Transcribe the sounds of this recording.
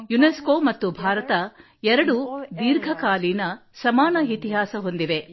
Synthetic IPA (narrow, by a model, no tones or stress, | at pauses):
juneskoːmɐt̪ːubʱaːɾɐt̪ɐ | ɛɾɐɽud̪iːɾɡʱɐkaːlinɐsɐmaːnɐit̪iɦaːsɐɦo̞nd̪iʋe̞